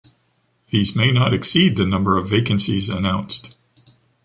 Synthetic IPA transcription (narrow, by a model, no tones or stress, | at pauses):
ðizmeɪnəɾɨksid̪̚ðɨnʌ̃mbə˞ʌveɪkɨ̃nsizɨ̰nãʊ̃nst